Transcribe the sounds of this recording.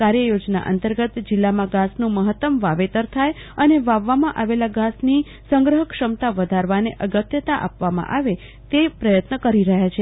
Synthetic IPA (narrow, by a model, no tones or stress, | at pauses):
kaɾjəjod͡ʒna̰ʔə̰nt̪əɾɡət̪d͡ʒilːamãɡasnũməɦət̪ːəmʋaʋet̪əɾt̪ʰajəneʋaʋːamãʔaʋelaɡasni | səŋɡɾəɦəkʃəmt̪aʋəd̪ʱaɾʋaneʔəɡət̪jət̪aʔa̰pʋamã̰ʔaʋe | t̪epɾəjət̪nəkəɾiɾəɦjat͡ʃʰe